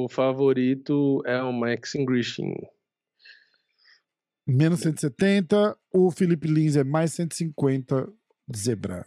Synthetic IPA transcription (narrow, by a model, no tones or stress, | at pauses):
ʊfavoɾit̪ʊɛʊmaksĩŋɡɾiʃḭ̃ | mẽnʊsːẽnt̪set̪ẽnt̪ɐʊfilipɪlĩzɛmajssẽnt̪ɪ̥sĩŋkwẽnt̪ɐ | d͡ʒɪzebɾa̰